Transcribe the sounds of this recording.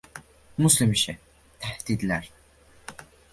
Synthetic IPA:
muslimiʃɛ | t̪ʰæhd̪̥id̪læɾ

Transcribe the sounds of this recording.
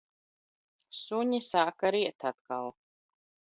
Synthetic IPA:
suɲisaːkaɾiɛt̪at̪̚kalˠ

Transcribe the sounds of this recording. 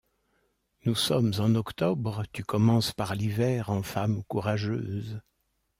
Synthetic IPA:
nusɔmzɑ̃nɔkt̪ɔbʁət̪ykɔmɑ̃spaʁlivɛʁɑ̃famkuʁaʒøːz

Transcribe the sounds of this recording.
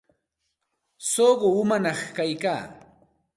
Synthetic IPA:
soɢoʊmanɑχkajkaː

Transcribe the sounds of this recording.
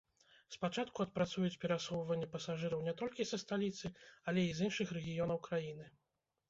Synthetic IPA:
spat͡ʂat̪kuɐt̪̚pɾat̪sujut͡sʲpʲɛɾasɔwvɐnʲːɐpɐsaʐɨɾɐwnʲɛt̪ɔlʲkʲisɐst̪alʲit̪sɨalʲɛizinʂɨxrɛɣʲijɔnɐwkɾajinɨ

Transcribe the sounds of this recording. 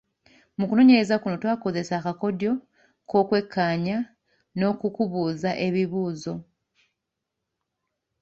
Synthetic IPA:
mukuno̞ːɲe̞ɾe̞zakuno̞twaːko̞ze̞saːkako̞djo̞ | ko̞ːkwe̞kʰːaːɲa | no̞kukuβuːzaʔe̞βiβuːzo̞

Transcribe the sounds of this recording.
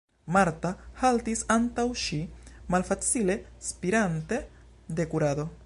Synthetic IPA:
maɾtahaltisantawʃimalfat͡sile̞spiɾante̞ | d̪e̞kuɾad̪o̞

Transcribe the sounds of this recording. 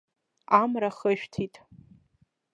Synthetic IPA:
amraχəʃᶣtʰitʼ

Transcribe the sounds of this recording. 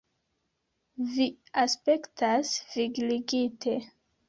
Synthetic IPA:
vi | aspe̞ktʰasviɡliɡitʰe̞

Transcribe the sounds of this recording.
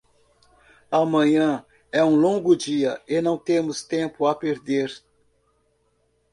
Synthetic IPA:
amɐ̃ɲɐ̃ | ɛũlõŋɡʊd͡ʒiɐɪnɐ̃w̃t̪ẽmʊst̪ẽpʊapeɾd̪eɾ

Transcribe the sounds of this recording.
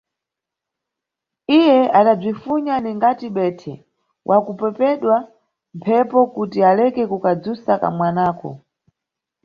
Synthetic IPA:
ijɛʔaɗab͡ʐifuɲaniŋɡatiɓɛtʰɛ | wʔakupɛpɛɗwa | mpʰɛpɔkutialɛkɛkukad͡zusaka̰mwanaːkɔ̰

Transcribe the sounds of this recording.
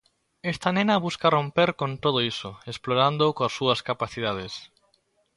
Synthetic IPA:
est̪anẽnɐβuskarompeɾkont̪oð̞oisoesploɾand̪okoasːuɐskapaθiðað̞es

